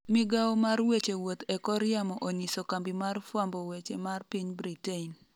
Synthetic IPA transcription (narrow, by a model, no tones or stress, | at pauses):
mɪɡawɔmarwet͡ʃewot̪ɛkɔɾjamɔʔoɲisokambimarfwambɔwet͡ʃemarpiɲbɾitein